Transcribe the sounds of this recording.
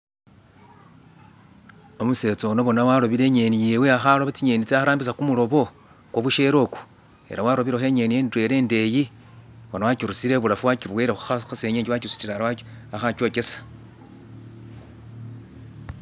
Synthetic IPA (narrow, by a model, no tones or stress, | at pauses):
o̞muse̞ːt͡so̞noβo̞nawalo̞βiɾe̞ɲe̞nijeːweaxaloβat͡siɲeːnit͡seaxaɾaːmbisakumulo̞βo̞ | kwoβuʃe̞ɾo̞ku̥ | e̞̰ɾawaɾoβiɾexe̞ɲe̞nijeːntwe̞ɾe̞ːnde̞ji | βonawacuɾusiɾe̞βulafuwakiβweɾexuxaxase̞ːɲeːɲɟiwakusi̥tiɾaɾaaxaco̞ːke̞sḁ